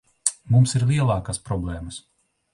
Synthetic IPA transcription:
mumsiɾlʲˠiɛlˠɑːkaspɾɔblʲˠɛːməs

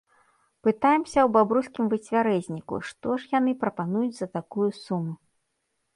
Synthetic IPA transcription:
pɨt̪ajɛmsʲɐwbabɾuskʲimvɨt͡sʲvʲaɾɛzʲnʲikṵʂt̪ɔʂjanɨpɾɐpanujud͡zʲzɐt̪akujusumu

